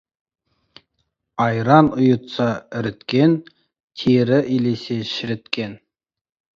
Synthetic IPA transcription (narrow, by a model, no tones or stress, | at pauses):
ɑjɾɑnʊjʊ̆t̪sɑɪ̆ɾɪ̆t̪kʲen | t̪ʰeɾɪʔileseʃɪ̆ɾɪ̆t̪kʲen